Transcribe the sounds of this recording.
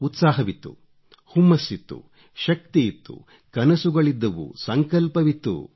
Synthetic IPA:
ut̪saːɦɐʋit̪ːṵ | humːɐsːit̪ːṵ | ʃɐk̚t̪ijit̪ːṵ | kɐnɐsuɡɐɭid̪ːɐʋṵsɐŋkɐlpɐʋit̪ːṵ

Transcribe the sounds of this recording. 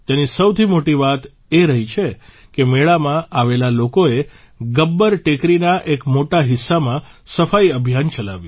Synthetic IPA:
t̪enisəwt̪ʰimoʈiʋat̪ | eɾəɦit͡ʃʰekemeɭamãʔaʋelalokoe | ɡəbːəɾʈekɾinaʔekmoʈaɦɪsːamãsəfaiəbʱjant͡ʃəla̰ʋjũ

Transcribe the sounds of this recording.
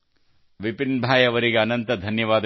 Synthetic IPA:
ʋipinbʱaːjɐʋɐɾiɡeɐnɐnt̪ɐd̪ʱɐnjɐʋaːd̪

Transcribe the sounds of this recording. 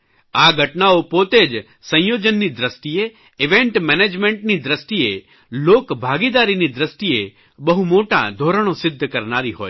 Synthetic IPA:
aɡʱəʈnaopot̪ed͡ʒ | sə̃j̃jod͡ʒənːid̪ɾəst̪ie | ɪʋeɳʈmɛned͡ʒmẽɳʈnid̪ɾəst̪ie | lokbʱaɡid̪aɾinid̪ɾəst̪ie | bəɦumoʈa̰d̪ʱoɾəɽ̃osɪd̪ʱːəkəɾnaɾiɦoːj

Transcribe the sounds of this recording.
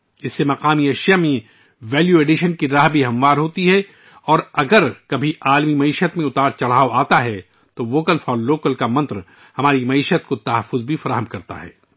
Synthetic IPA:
ɪsːemɐqaːmiɐʃjamẽ | ʋɛːljueːɖɪʃənkiɖɾaːɦbʱiɦɐmʋaːɾɦoːt̪iɦɛ | ɔːɾɐɡəɾkɐbʱiʔaːlmimɐiːʃət̪mẽʊt̪aːɾt͡ʃɐɽ̤aːoaːt̪aɦɛ | t̪oʋoːkəlfɔːɾloːkəlkamɐ̃nt̪ɾ | hɐmaːɾimɐiːʃət̪̚kot̪ɐɦəfːʊzbʱifɐɾaːɦəmkɐɾt̪a̰ɦɛ̰ː

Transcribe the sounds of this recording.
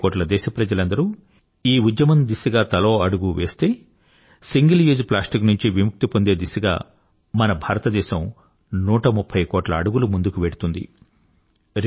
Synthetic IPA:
koːʈlɐd̪ɛːʃɐpɾɐd͡ʒɐlɐnd̪ɐɾu | iːud̪jɐmɐnd̪isiɡaːt̪ɐlo̞ːɐɽuɡuʋe̞ːst̪e̞ː | siŋɡɐljuːd͡ʒplaːsʈiknuɲt͡ʃiʋimuk̚t̪ipond̪e̞ːd̪isuɡa̰ː | mɐnɐbʱaːɾɐt̪ɐd̪ɛːʃɐm | nuːʈɐmupʰːɐjkoːʈlɐːɽuɡulumund̪ukuʋeɽut̪und̪ḭ | ɾ

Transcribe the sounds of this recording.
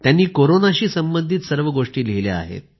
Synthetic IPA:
t̪janːiːkoɾonaɕiːsəmbənd̪ʱiːt̪səɾʋəɡoʂʈiːlelea̰ɦḛt̪̚

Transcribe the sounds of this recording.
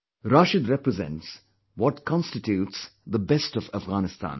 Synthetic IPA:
ɾaːʃɨd̪ɾɛpɾəzɛ̰̃nts | wɔʈkʰɔ̃nstɪtjuːʈsd̪əbɛstɔvəfɡaːnɪstã̰ːn

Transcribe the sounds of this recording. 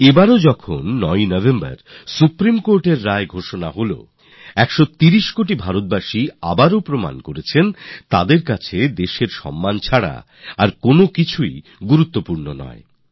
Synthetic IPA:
ebaɾod͡ʑɔkʰonːɔjnɔvʱemba̰ɾsupɾimkoɾʈeɾːaeɡʱoʃonaɦolo̰ | ɛkʃot̪iɾiʃkoʈ̬ibʱaɾot̪̚baʃiabaɾopɾoma̰nkoɾet͡ɕʰent̪ad̪eɾkat͡ɕʰed̪eʃeɾʃɔ̰mːant͡ɕʰaɽa̰ | aɾkonokit͡ɕʰui | ɡuɾut̪ːopuɾnonɔ̰e

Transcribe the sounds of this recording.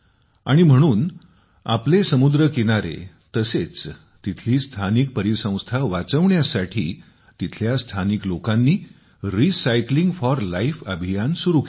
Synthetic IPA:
a̰ɽ̃im̤əɽ̃uːn | a̰plesəmud̪ɾəkeɽ̃aɾḛ | t̪əset͡s | t̪it̪ʰliːst̪ʰanik̚pəɾisə̃w̃st̪ʰaʋat͡səʋɳjasaʈʰḭː | t̪it̪ʰljast̪ʰaniklokanːiː | ɾisajkliŋɡfɔɾlaifəbʱijansuɾuk

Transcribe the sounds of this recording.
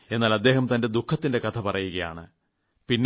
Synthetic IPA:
e̞nːaːlɐd̪ːe̞ːhɐmt̪ɐnde̞d̪ukʰːɐt̪ːinde̞kɐt̪ʰɐpɐrɐjuɣɐja̰ːɳɨ̰ | pinː

